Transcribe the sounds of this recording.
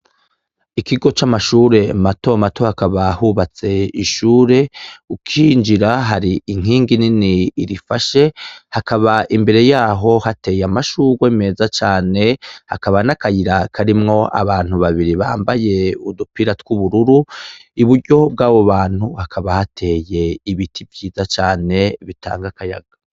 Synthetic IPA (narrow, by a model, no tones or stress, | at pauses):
ikʰiɡo̞t͡ʃamaʃuːɾe̞mato̞mato̞hakaβahuːβat͡se̞iʃuːɾe̞ukʰiːnd͡ʒiɾaɦaɾiiŋ̥hiːŋɡininiːɾifaʃe̞hakʰaβaʔimbe̞ɾe̞jaːɦo̞hate̞jamaʃuːɾɡweːme̞ːzat͡ʃaːne̞ha̰kaβanakajiɾakʰaɾimŋo̞ʔa̰βaːn̥huβaβiɾiβa̰ːmbaje̞udupiɾatkuβuɾuɾuiβuɾɟo̞b̚ɡaːβo̞βaːn̥huhakʰaβahatʰe̞je̞iβitʰibjiːzat͡ʃaːne̞βita̰ːŋɡakaja̰ɡ̥a